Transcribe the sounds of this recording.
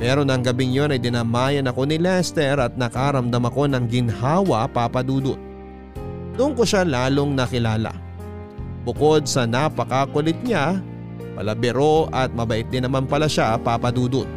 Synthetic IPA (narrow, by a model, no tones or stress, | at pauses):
pɛɾo̞nɐŋɡɐbɪŋjo̞nɐjd̪ɪnaːmaːjɐnɐko̞nɪlɛst̪ɛɾɐt̪̚nɐkaːɾɐmd̪ɐmɐko̞nɐŋɡɪnhaːwɐʔpaːpɐd̪uːd̪ot̪̚ | d̪ʊʔoŋkoʃalaːlo̞ŋnɐkɪlaːlɐ̰ | bʊko̞d̪̚sɐnɐpɐkakolɪt̪̚ɲa | pɐ̰lɐbɛɾo̞ɐt̪̚mɐbɐʔɪt̪̚d̪ɪnːɐmanpɐlaʃapapɐd̪uːd̪ot̪̚